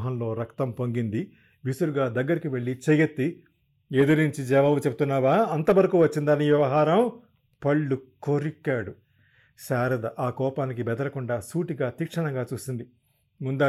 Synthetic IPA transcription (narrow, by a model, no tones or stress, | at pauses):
ɦɐnlo̞ːɾɐkt̪ɐmpoŋɡind̪i | ʋisuluɡaːd̪ɐɡːɐɾikiʋe̞ɭːit͡ʃejet̪ːi | eːd̪ɐɾiɲt͡ʃid͡ʒɛːʋaːbut͡ʃebut̪unːaːʋaːɐnt̪ɐʋɐɾɐkuːʋɐt͡ʃːind̪aːnːiʋjɐʋɐɦaːɾɐm | pɐɭːuko̞ɾikːaːɽu | ʃaːɾɐd̪ɐʔaːkɔːpaːnikibɛd̪ɐɾɐkuɳɖaːsuːʈiɡaːt̪iːkʂɐɳɐŋɡaːt͡ʃuːsind̪i | mund̪a